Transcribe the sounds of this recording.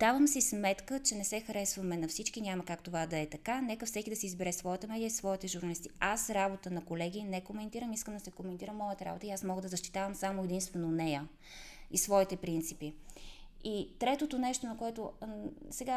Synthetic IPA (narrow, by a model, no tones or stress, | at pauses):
d̪avəmsismɛt̪kət͡ʃɛnɛsɛxɐɾɛsvɐmɛnɐfsit͡ʃkinʲamɐkakt̪ovad̪ɐɛt̪ɐkanɛkəfsɛkid̪ɐsizbɛɾɛsvɔjət̪əmɛd̪ijəisvɔit̪ɛʒʊɾnɐlist̪iasɾabot̪ənɐkolɛɡ̟inɛkomɛnt̪iɾəmiskəmd̪ɐsɛkomɛnt̪iɾəmːɔjət̪əɾa̰bot̪əiasmɔɡəd̪ɐzɐʃt̪i̥t̪avəmsamoɛd̪inst̪vɛnoːnɛjə | isvɔit̪ɛpɾint̪sipi | it̪ɾɛt̪ot̪onɛʃt̪onɐkoɛt̪osɛɡa